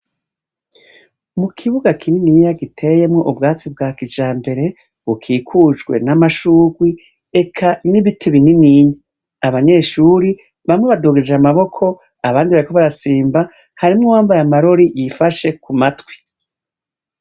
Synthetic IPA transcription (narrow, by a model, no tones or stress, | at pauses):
mukʰiβuɡakʰininijaɡitʰe̞je̞mŋo̞ʔubɡaːt͡sib̚ɡaːkid͡ʒaːmbe̞ɾe̞ | βukʰiːkʰud͡ʒɡwe̞̰namaʃuːɡwi | e̞kʰaniβitʰeβininiɲa | aβaɲe̞ːʃuːɾi | βamŋe̞βaduɡed͡ʒeamaβo̞kʰo̞ | aβaːndiβaɾiko̞βaɾasiːmba | haɾimŋowaːmbajamaɾoɾijifaʃe̞kumatwi̥